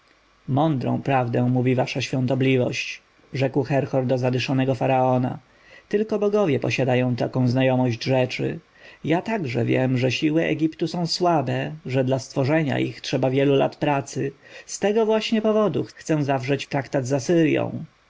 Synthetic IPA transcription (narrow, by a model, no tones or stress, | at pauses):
mɔnd̪ɾɔ̰̃w̃pɾavd̪ɛ̃w̃muvʲivaʂaɕfʲjɔ̃nt̪ɔblʲivɔ̰ɕt͡ɕ | ʐɛkwxɛɾxɔɾd̪ɔzad̪ɘʂɔnɛɡɔfaɾaɔna̰ | t̪ɘlkɔbɔɡɔvʲjɛpɔ̰ɕad̪ajɔ̃w̃t̪akɔ̃w̃znajɔmɔʑd͡ʑʐɛt͡ʂɘ̰ | jat̪aɡʐɛ̰vʲjɛ̰mʐɛɕiwɘʔɛ̰ɡʲipt̪usɔ̃w̃swabɛʐɛd̪last̪fɔʐɛɲa̰ʔḭxtʂɛbavʲjɛlula̰t̪pɾat̪sɘst̪ɛɡɔvwaɕɲɛpɔvɔd̪uxxt̪sɛw̃zavʐɛt͡ɕt̪ɾakt̪ad̪zasɘɾjɔ̰̃w̃